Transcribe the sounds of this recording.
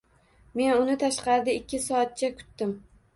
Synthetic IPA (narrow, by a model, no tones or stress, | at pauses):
me̞nʊnɪt̪ʰaʃqɑɾd̪ɪɪkʲʰːɪsɒːt̪̚t͡ʃʰakʰʊ̥t̪ːɪm